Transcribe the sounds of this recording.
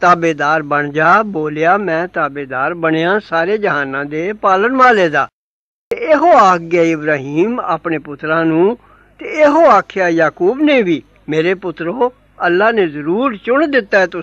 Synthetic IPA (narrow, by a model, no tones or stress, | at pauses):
t̪aːbeːd̪aːɾbəɳd͡ʒaːboːljaːmɛ̃ːt̪aːbeːd̪aːɾbəɽ̃ejãːsaːɾeːd͡ʒəɦaːnãːd̪eːpaːlənmaːleːd̪aː | t̪eːeɦoːaːkʰɡaːɪbɾaːɦiːma̰ːpɳeːpʊt̪ɾãːnũː | t̪eːeɦoːaːkʰejaːjaːkuːbneːʋiː | meːɾeːpʊt̪ɾoː | əlːaːneːzəɾuːɾt͡ʃʊɳd̪ɪt̪ːaːɛːt̪ʊ